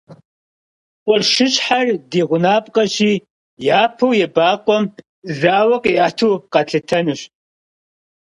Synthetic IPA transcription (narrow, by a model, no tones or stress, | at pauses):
qʷʼɔrʃɪɕʼħardeːʁʷʊnaːpʼqʼɐɕiː | jaːpʰɐwjɛbaːqʷʼɔm | zaːwɐqʼiʔatʰuwqɐɬɨtʰɐnɨɕ